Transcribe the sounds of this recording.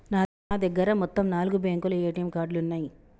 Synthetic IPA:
naː | aːd̪ɐɡːɐɾɐmɔt̪ːɐmnaːluɡubeːŋkulɐeːʈɐjmkaːɾɖluunːaːji

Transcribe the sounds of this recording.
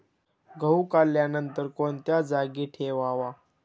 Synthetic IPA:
ɡʱəwkaljanənt̪əɾkoɳt̪jad͡zaɡiːʈʰeʋaʋa

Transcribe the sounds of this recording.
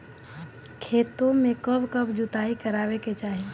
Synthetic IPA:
kʰeːt̪õmẽkəbkəbd͡ʒut̪aikəɾaːʋeket͡ʃaːɦi

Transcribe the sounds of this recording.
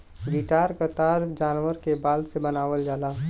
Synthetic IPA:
diʈaːɾkət̪aːɾd͡ʒaːnʋəɾkebaːlsebənaːʋəld͡ʒaːlaː

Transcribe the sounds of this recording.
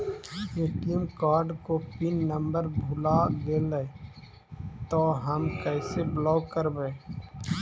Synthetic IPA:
jɪkəmkaːɾɖkopinːəmbəɾbʱʊlad̪eləe | t̪oɦəmkɛːseblɔːkəɾbə

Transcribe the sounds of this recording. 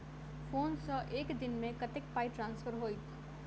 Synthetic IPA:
foːnsəʔeːkd̪ɪnmẽkɐt̪ɪk̚paːiʈɾãːnsfəɾɦoːit̪ʰ

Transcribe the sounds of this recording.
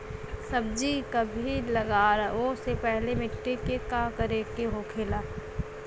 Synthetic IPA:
sɐb̚d͡ʒikabʱilɐɡaːɾoːsepɛɦlemɪʈːekekakɐɾekeɦoːkʰeːlaː

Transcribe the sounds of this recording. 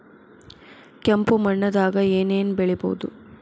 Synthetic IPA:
kɛmpumɐɳːɐd̪aːɡɐeːneːnbɛɭɛbo̰ːud̪u

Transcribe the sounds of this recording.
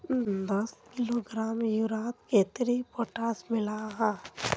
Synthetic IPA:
d̪ɐskɪloɡɾaːmjuɾaːt̪keːt̪ɾipoːʈaːsmɪlaɦɛ

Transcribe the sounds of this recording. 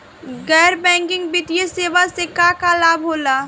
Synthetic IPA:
ɡɛːɾbɛ̃ːŋkɪ̃ŋɡbɪt̪ijeseːʋasekakalaːbɦoːlaː

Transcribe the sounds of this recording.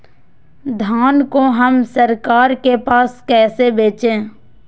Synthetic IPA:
d̪ʱaːnkoɦəmsəɾkaːɾkepaːskɛːsebeːt͡ʃẽː

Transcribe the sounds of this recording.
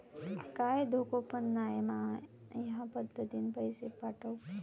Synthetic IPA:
kaːjd̪ʱokopənːaːemãː | jɐɦãpəd̪ʱːət̪inpəjsepaʈʰəw

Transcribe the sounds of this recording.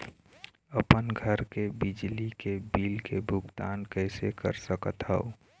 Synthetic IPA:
əpənɡʱəɾkebɪd͡ʒlikebiːlkebʱʊɡt̪aːnkɛɪsekə̰ɾsəkət̪ɦə̰o

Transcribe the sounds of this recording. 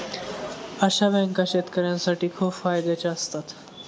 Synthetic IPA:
əɕabɛ̃ŋkaɕet̪kəɾjãnsaʈiːkʰuːpfajd̪et͡ɕaəst̪at̪

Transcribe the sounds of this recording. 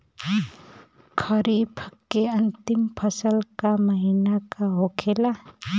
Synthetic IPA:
kʰəɾipʰkːeənt̪ɪmpʰəsəlkaməɦinakaɦokʰela

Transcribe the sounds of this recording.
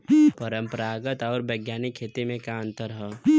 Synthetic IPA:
pəɾə̃mpəɾaːɡət̪ɔːɾbeɡjaːnɪkʰːeːt̪imẽkaə̃nt̪əɾɦɛː

